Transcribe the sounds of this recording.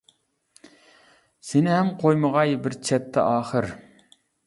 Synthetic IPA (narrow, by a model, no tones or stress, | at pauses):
sɪnɪɦɛmqʰojməʁɑjbɪɾt͡ʃʰɛt̪ʰːɛ̰ʔɑːχəɾ